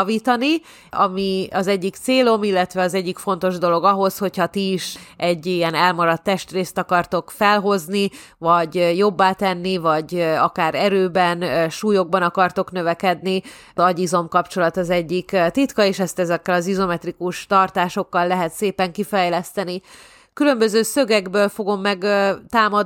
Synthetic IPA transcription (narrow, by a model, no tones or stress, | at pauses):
viːt̪ɒni | ɒmiɒzɛɟːikt̪seːlo̞milːɛt̪ʋɛɒzɛɟːikfo̞n̪t̪o̞ʒd̪o̞lo̞ɡɒɦo̞sho̞chɒt̪iːʃɛɟːijɛnɛlmɒɾɒt̪ːɛʃt̪reːst̪ɒkɒrt̪o̞kfɛlɦo̞znivɒɟjo̞bːaːt̪ɛnːivɒɟɒkaːɾɛɾøːbɛnʃuːjo̞ɡ̚bɒnɒkɒrt̪o̞kn̪ø̞vɛkɛd̪ni | ɒɟizo̞mkɒpt͡ʃo̞lɒt̪ɒzɛɟːikt̪it̪kɒeːʃɛst̪ɛzɛkːɛlɒzizo̞mɛt̪rikuʃt̪ɒrt̪aːʃo̞kːɒlːɛɦɛt̪seːpɛŋkifɛjlɛst̪ɛni | kylø̞mbø̞zøːsø̞ɡɛɡbøːlfo̞ɡo̞mːɛɡt̪aːmɒ